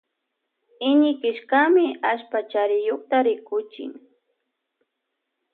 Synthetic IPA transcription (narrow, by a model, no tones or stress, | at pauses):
ɪɲɪkɪʃkamɪaʃpat͡ʃaɾɪjoχt̪aɾɪkʊt͡ʃɪ̰ŋ